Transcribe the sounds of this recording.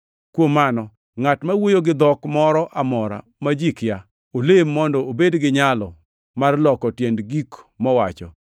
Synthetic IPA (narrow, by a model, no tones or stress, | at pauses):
kwomːanɔ | ŋatmawojoɡɪd̪ɔkmɔɾɔʔamɔɾa̰ | mad͡ʒikja | olemːɔndɔobedɡɪɲalɔ | marlɔkɔtjendɡikmɔwat͡ʃɔ̰